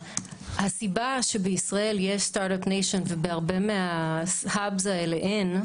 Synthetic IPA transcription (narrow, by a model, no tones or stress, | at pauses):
hasibaʃe̞beisʁae̞ljeʃstaɾɾopnejʃo̞nvebeaʁbe̞meahabzaeleʔen